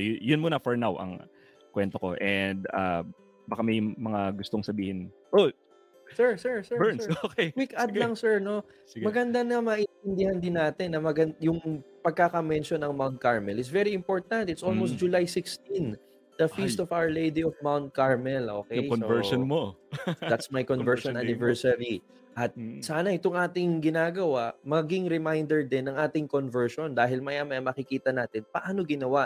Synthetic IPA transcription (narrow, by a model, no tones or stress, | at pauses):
jjʊnmonɐfɔɹnawɐ̰ŋ | kwɛnt̪oko̰ʔɛnd̪a̰ | bakamɐjmɐŋaɡʊst̪oŋsɐbiːhɪnʔo | sɛɹsɛɹsɛbɛɹnokejkwikad̪lɐŋsɛɹno̞ | ɡmɐɡɐnd̪anɐmɐʔɪnt̪ɪnd̪ɪhɐnd̪ɪnːaːt̪ɛnːɐmɐɡɐnjʊŋpɐɡ̚kakɐmɛnʃonɐŋmawnt̪̚kaɹmɛlɪt̪s̬vɛɾiɪmpoɹt̪ɐnt̪ɪt̪sʔolmost̪d͡ʒʊlajsɪkst̪ĩn | d̪̥ɐfist̪ɔvawə˞lejd̪iɔvmawnt̪̚kaɹmɛlʔo̰ːkɛjonovɛɹʃonmod̪at̪smɐjkonvɛɹʃonʔanɪvɛɹsɐli | ʔɐt̪̚saːnɐʔɪt̪oŋʔaːt̪ɪŋɡɪnaːɡɐwaʔmɐɡɪŋɾɪmajnd̪ɛɹd̪ɪnːɐŋʔaːt̪ɪŋkonvɛɹʃond̪aːɦɪlmɐjaːmɐjɐmɐkɪkiːt̪ɐnaːt̪ɪnpɐʔaːnoɡɪnɐwa